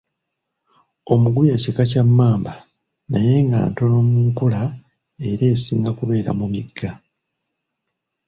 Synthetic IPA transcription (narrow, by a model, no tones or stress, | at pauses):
o̞muɡujacekacamːaːmba | naje̞ŋɡa̰ːnto̞no̞muːŋkula | e̞ɾe̞ːsiːŋɡakuβe̞ːɾa̰mumiɡːa